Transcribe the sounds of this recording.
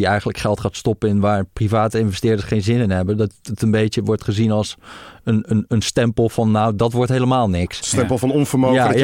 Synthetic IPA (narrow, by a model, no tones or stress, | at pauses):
iɛjχənləkχɛlˠtχaːtstɔpənɛnʋaːɹprivaːtəɪnvɛstɪːɹdəsχejnzɪnɪnɦɛbədɑtətənbejtəʋɔɹtχəzinɑlˠsənənənstɛmpəl̩ˠfɑnːawdɑtʋɔɹtɦeləmaːlˠnɪksstɛmpəl̩ˠfɑnɔnvəɹmoa